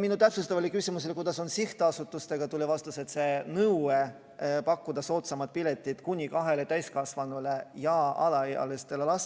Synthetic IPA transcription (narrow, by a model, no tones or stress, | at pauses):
minut̪æpsust̪ɑvɑlekysʲimus̬elekujd̪̥ɑso̞nsiht̪eɑsut̪ːˑust̪e̞ɡ̥ɑt̪ulʲevɑst̪use̞t̪se̞nɤwe | pɑkːud̪̥ɑso̞ːt̪sɑmɑd̪̚pilʲe̞t̪ʲːˑit̪kunʲikɑɦe̞let̪æjskɑsvɑnule̞jɑɑ̰lɑɑ̰lest̪elelɑs